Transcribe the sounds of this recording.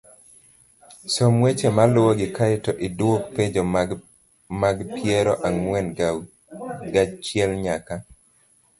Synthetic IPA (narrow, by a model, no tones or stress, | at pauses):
somwet͡ʃemalʊwoɡɪkaɪtɔʔidwokped͡ʒo | maɡpjɛɾɔʔaŋmwɛn | ɡat͡ʃjɛlɲaka